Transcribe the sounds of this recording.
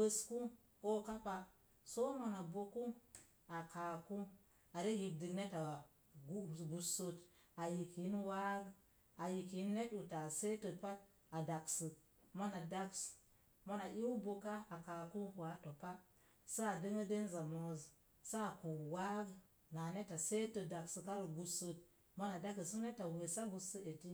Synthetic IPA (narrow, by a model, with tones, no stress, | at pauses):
bə˨sku˦ | ko˦ka˦pa˨ | so˦ma˨na˨bo˨ku˦ | a˨ka˨ku˦ | a˨ɾe˦hi˨b̚di˨ne˦ta˨ | ɡɡu˨so˦ta˨ji˨ki˨˦n˦wa˦ɡ | a˨ji˨ki˨˦n˦ne˦tu˨ta˨se˦tə˨pa˦t̚ | a˨da˨ksɨ˨ | mo˦na˨da˦ks | mo˦na˨ʔi˦u˦bo˨ka˦a˨ka˨ku˦ku˨a˦to˨pa˦ | sa˦a˨di˦ŋə˦de˦nza˨mo˨z | sa˦a˨ku˨wa˦ɡ | na˨ne˦ta˨se˦tə˨da˨ksɨ˨ka˦ɾə˨ɡu˦sə˦t̚ | mo˦na˨da˦kə˨su˦ne˦ta˨we˨sa˦ɡu˨sə˦e˨ti˦